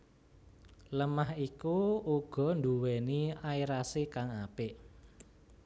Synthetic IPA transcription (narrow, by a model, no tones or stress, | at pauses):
ləmahikuuɡ̥ɔ̤nd̪uwɛniaiɾasekaŋapɪʔ